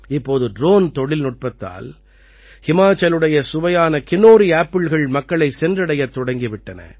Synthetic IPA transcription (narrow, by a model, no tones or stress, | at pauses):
ɪpːoːðɯɖɾoːnt̪ɔɽɪlnʊʈ̚pɐt̪ːa̰ːl | hɪmaːt͡ʃːɐlɯɽɐjɐsʊʋɐjaːnɐkɪnoːɾiaːpːɪɭɣɐɭmɐkːɐɭɐɪsɛndrɐɽɐjɐt̪ːɔɽɐŋɡɪʋɪʈːɐnɐ̰